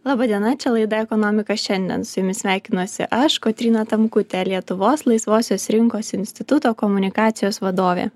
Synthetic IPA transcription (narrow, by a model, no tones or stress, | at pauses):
lˠɑːbɐd̪ʲiɛnɐt͡ʃʲɛlˠɐɪd̪ɐɛkɔnɔːmʲɪkɐʃʲɛnʲd̪ʲɛ̰nsʊjʊmʲɪsʲʋʲæˑɪkʲɪnuɔsʲɪ̰ʔɐʃkoːt̪ʲɾʲiːnɑt̪ɐmkʊt̪ʲelʲiɛt̪ʊʋoːslˠɐɪsʋoːsʲoːsɾʲɪŋkoːsɪnʲsʲt̪ʲɪt̪ʊt̪oːkɔmʊnʲɪkɑːt̪sʲɪjoːsʋɐd̪oːʋʲḛː